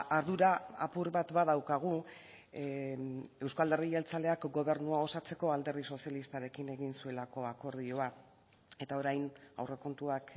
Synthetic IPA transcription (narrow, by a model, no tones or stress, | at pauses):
aɾðuɾaa̰puɾβat̪baðawkaɣ̞u | e̞wskald̪e̞rielt͡sale̞akɡo̞β̞e̞ɾnuao̞sat͡se̞ko̞ald̪e̞ɾðiso̞sialist̪aɾe̞kine̞ɣinsue̞lako̞ako̞ɾð̞io̞a | e̞t̪ao̞ɾajna̰wre̞ko̞nt̪uak